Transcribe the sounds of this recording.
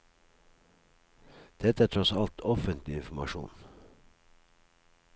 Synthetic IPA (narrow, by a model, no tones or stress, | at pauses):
d̪̥ɛt̪əæːʈʰɾɔsɑlt̪ʰɔfənt̪lɪɪnfm̩ɑʃṵːn